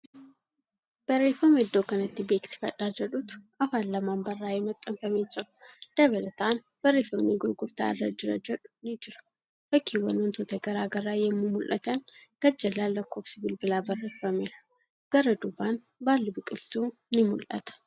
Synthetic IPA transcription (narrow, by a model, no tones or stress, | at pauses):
b̥ɐrːeːfɐmɛɪd̪ːoːkɐnɐt̪ːɪbeːksɪ̥fɐ̰ᶑaːd͡ʒɛᶑut̪ | ɐfaːnlɐmaːnbɐrːaːjɛmɐt̪ʼːɐmfɐmeːd͡ʒɐʊd̪̥ɐβɐlɐt̪an | b̥ɐrːeːfɐmneɡʊɾɡʊɾt̪a̰ːɪ̰rːɐ̰d͡ʒɪɾɐ̰d͡ʒɛᶑʊ̥nɪd͡ʒɪɾɐ̥ | fɐkʰːiwɐ̰nɔnt̪ʰot̪ɐɡɐɾaːɡɐɾːaːjɛmːumʊlʔɐ̰t̪ɐnɡ̥ɐd͡ʒːɐlːaːlːɐkːo̞ːfsɪbɪlbɪlaːbɐrːeːfːɐmeɾɐ | ɡ̥ɐɾɐd̪ʊbaːn | baːlːɪbʊkʼɪlt̪u | nɪmʊlʔɐ̰t̪ɐ̥